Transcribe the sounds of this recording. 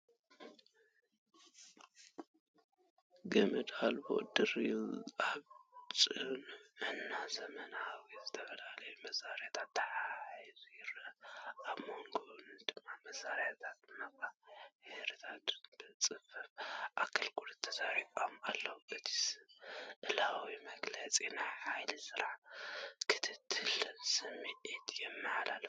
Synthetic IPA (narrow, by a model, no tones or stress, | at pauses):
ɡɐmɨd̪albo̰d̪ɨriaβt͡ʃʼɨnɨnːazɐmɐnawiz̥ɨt̪ʰɐfɐlalɐjumɐsːaɾjat̪ʰat̪ːɐħaizujɪɾɐʔaβmoŋɡond̪̥ɨmːamɐsaɾjat̪ʰat̪mɐkʼajɛhɾɨt̪ʰat̪b̥ɨt͡sʼɨfɨfʔakʰɐlɡʼulɨt̪ʰːɐzaɾikʼomalːɐwuʔɨt̪ʰi̥sɨʔɨlawimɐɡlɐt͡sʼinaħajlsɨɾaʕkʰɨ̥t̪ʰɨt̪ʰːɨlsɨmeʔet̪ʰjɛmːɨħalal